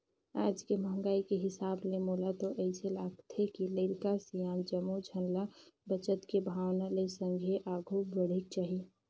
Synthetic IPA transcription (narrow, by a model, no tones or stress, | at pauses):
aːd͡ʒkeməɦŋɡaːikeɦɪsaːblemoːlat̪oʔəɪselaːɡt̪ʰɦekiləɪɾkasijãːnd͡ʒəmːud͡ʒʱənlabət͡ʃət̪kebʱaːwnalesə̃ŋɡʱeʔaːɡʱubəɽ̤ik̚t͡ʃaːɦi